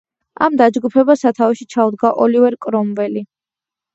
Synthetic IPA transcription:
a̰md̪ad͡ʒɡupʰɛbasat̪ʰavɛʃit͡ʃʰaud̪ɡaʔɔlivɛɾkʼɾɔmvɛli

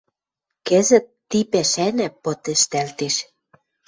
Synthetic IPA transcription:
kɘ̆zɘ̆t̪ːipæʃænæ̆pot̪ɘ̆ʃt̪ælt̪eʃ

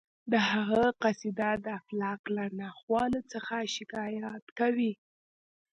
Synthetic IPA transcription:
d̪əhaɣəqasid̪ad̪əaflɑqlanɑxwɑnət͡səxaʃɪkɑjat̪kawi

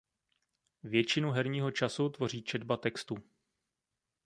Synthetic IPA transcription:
vjɛt͡ʃɪnuɦɛɾɲiːɦo̞t͡ʃasut̪vo̞r̝iːt͡ʃɛdbat̪ɛkst̪u

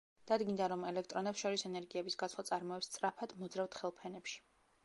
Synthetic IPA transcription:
d̪̥ad̪ɡind̪aɾɔmɛlɛkʰt̪ʼɾɔnɛpsʃɔɾisɛnɛɾɡiɛbisɡat̪sʰlˠat̪sʼaɾmɔɛpst̪sʼɾapʰad̪̥mɔd̪zɾavt̪χɛlˠpʰɛnɛpʃi̥

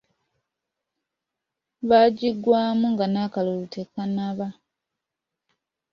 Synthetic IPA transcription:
βaːɟiɡwaːmuŋɡanakalolutʰekanaβa

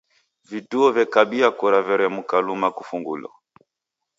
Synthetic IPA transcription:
vituɔvjɛkaɓiakuɾavɛɾɔamukalumakufuŋɡulɔ̰

